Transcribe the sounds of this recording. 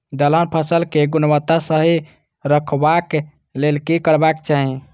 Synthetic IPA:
d̪ələnpʰəsəlkeɡunwət̪ːasəɦi | ɾəkʰbak | lelkikəɾbakt͡ʃaɦĩ

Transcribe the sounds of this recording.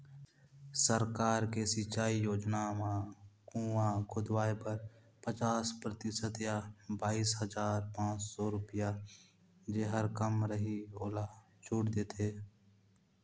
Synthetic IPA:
səɾkaːɾkesɪt͡ʃaːijoːd͡ʒnamãkũːakʰʊd̪waːepəɾ | pət͡ʃaːspɾət̪ɪsət̪jabaːiːsɦəd͡ʒaːɾpãːt͡ʃsɔɾʊpɪja | d͡ʒeɦəɾkəmɾəɦioːla | t͡ʃʊːɽd̪eːt̪ʰeː

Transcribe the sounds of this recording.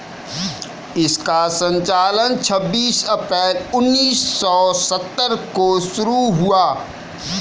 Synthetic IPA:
ɪskasə̃ɲt͡ʃaːlənt͡ʃʰəbːiːsɐpɛːlʊnːiːsɔːsət̪ːəɾkoʃʊɾuɦuaː

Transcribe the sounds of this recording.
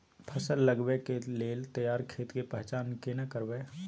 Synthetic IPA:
pʰəsəlːəɡʋekeleːlt̪ɐjaːɾkʰeːt̪kepɛɦt͡ʃaːnkenɐkəɾʋeː

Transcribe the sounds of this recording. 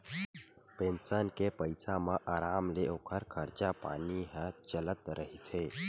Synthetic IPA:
pẽːnsənkepəɪsamãʔaːɾaːmleoːkʰəɾkʰəɾt͡ʃapa̰ːniɦə̃t͡ʃələt̪ɾəɦit̪ʰeː

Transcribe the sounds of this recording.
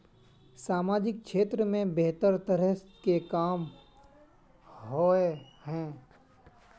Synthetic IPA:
saːmaːd͡ʒɪk̚ʃeːt̪ɾəmẽbeɦt̪əɾt̪əɾəɦskekaːm | ɦoe | hɛ̃ː

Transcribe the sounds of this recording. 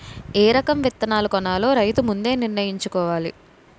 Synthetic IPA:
eːɾɐkɐmʋit̪ːɐnaːlɐkɔnaːlo̞ːɾɐjt̪umund̪e̞ːniɾnɐjiɲt͡ʃukɔːʋaːlḭ

